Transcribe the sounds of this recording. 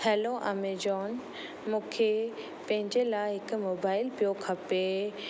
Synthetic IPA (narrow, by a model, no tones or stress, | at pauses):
hɛːloʔa̰ːmed͡ʑɔːn | mũːkʰe | pɐ̃ɦɪ̃ɲd͡ʑelaːɪɦɪkʊmoːbaːɪlpijokʰɐpe